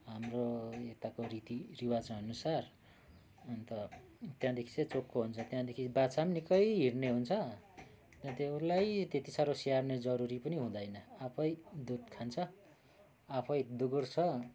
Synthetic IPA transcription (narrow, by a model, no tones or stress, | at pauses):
ɦamroekt̪akorit̪iriwad͡zɦʌnusar | nt̪ʌ | t̪jãd̪ekʰi̥t͡sʌt͡sokːoɦunt͡sʰʌt̪jãd̪ekʰibat͡samnikʌjɦirneɦunt͡sʰʌ | t̪jãt̪elajt̪et̪isaɾosijarned͡zʌɾuɾipʌniɦũd̪ʌjnʌapʰʌjd̪ud̪kʰant͡sʰʌ | apʰʌjd̪uɡurt͡sʰʌ